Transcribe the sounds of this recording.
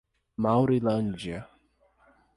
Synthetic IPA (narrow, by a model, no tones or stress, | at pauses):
mawɾilɐ̃nd͡ʒjɐ